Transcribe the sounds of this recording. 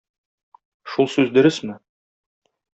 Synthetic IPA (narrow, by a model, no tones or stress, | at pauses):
ʃulˠsʉzd̪ɵ̆ɾɘsmɘ